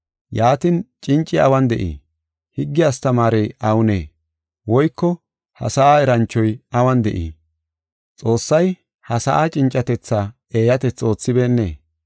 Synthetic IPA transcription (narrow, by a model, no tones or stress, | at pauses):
jaːt̪ɪnt͡ʃʼɪnt͡ʃʼːɪɐwɐnd̪ɛʔḭː | hɪɡːɪjɐst̪ɐmaːɾejʔɐwʊnḛː | wɔjkːɔ | hɐ̰sɐʔaːɛɾɐnt͡ʃːɔjɐwɐnd̪ɛʔḭː | t͡sʼo̞ːsːɐj | hɐsɐʔaːt͡ʃʼɪnt͡ʃʼːɐt̪ɛt͡sːa | e̞ːjɐt̪ɛt͡sːo̞ːt͡sːɪbe̞ːnːḛː